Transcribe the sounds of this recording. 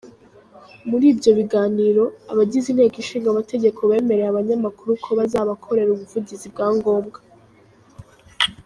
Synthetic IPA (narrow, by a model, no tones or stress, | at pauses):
muɾiːbjo̞βiɡaːniɾo̞a̰βaɟizin̥he̞ːkiʃiːŋɡamate̞ɟe̞kʰo̞βe̞ːme̞ɾeaβaɲamakuɾukʰo̞βazaːβakʰo̞ɾe̞ɾuβuvuɟizib̚ɡaːŋɡo̞ːmɡa